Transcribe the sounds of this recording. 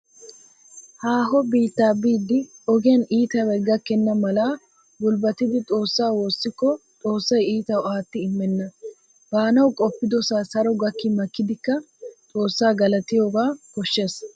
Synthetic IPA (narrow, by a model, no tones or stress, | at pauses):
haːɦɔbiːt̪ːaːbiːd̪ːɪɔɡɪjɐniːt̪ɐwɛɡɐkːɛnːɐmɐlaː | bʊlbɐt̪ːɪd̪ɪt̪ʼo̞ːsːaːwo̞ːsːɪkːɔt̪ʼo̞ːsːɐjiːt̪ɐwaːt̪ːɪɪmːɛnːɐ | baːnɐwkʼɔpːɪd̪ɔsaːsɐɾɔɡɐkːɪmɐkːɪd̪ɪkːɐ | t̪ʼo̞ːsːaːɡɐlɐt̪ɪjoːɡaːkɔʃːeːs